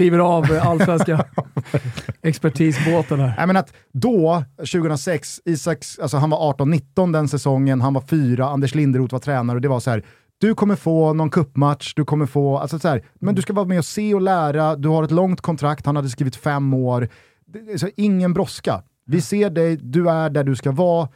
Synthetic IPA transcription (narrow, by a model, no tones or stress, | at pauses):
ɾiːvəɾavalːsvɛnska | ɛkspæʈʰiːsboːt̪ənæɾɛ̰jmɛnat̪ | d̪ɔɕʉ̟ːɡəənɾasɛksiːsakalsɔɦanvaɾɑːʈɔnːɪt̪ːɔnd̪ɛnsɛsɔŋːənɦanvaɾfyːɾaand̪ɛʂlɪnd̪əɾuːt̪vaɾt̪ʰɾɛːnaɾɔd̪ɛvasɔhæːɾ | d̪̥ɵkʰɔmːəɾfoːnɔnkʰɵpːmat̪ʂd̪ɵkʰɔmːəɾfoːa̰lsɔsahæːɾ | mɛnd̪ɵskavɑːmɛɔseːɔlæːɾad̪ɵhaɾɛt̪lɔŋt̪kʰɔnt̪ʰɾakt̪hanhad̪ːəskɾiːvɪt̪fɛmːoːɾ | asɔɪŋːənbɾɔska̰ | vɪseːɖɛjd̪ɵæɖæɖɵskavɑː